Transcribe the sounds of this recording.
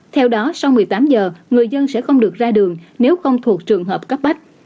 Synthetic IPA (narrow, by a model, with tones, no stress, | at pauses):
t̪ʰɛ˧wɗɔ˨˦sa˧wmɨ˨˩əjt̪aː˨˦mzəː˨˩ŋɨ˨˩əjzə˧nsɛ̰˧˥xə˧wŋ͡mɗɨ˨˩ək̚zaː˧ɗɨ˨˩əŋne˨˦wxə˧wŋ͡mt̪ʰu˨˩ək̚t͡ɕɨ˨˩əŋɦəː˨˩p̚kə˦˥p̚ɓa˦˥k̚